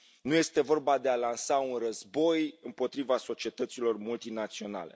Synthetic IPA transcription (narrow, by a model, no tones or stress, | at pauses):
nuje̞st̪e̞vo̞rbad̪e̞alansaunrəzbo̞jɨmpo̞t̪ɾivaso̞t͡ʃie̞t̪ət̪silo̞rmult̪inat̪sio̞na̰le̞̰